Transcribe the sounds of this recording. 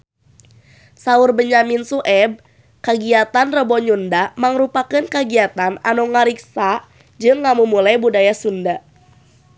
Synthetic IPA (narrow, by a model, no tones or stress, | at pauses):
saʊrbəɲaminsuʔɛb̚ | kəɡiat̪anrəbɔɲundamaŋɾupakɨnkəɡiat̪ana̰nɔŋaɾik̚sa | d͡ʒɨŋːamumulajbudajasunda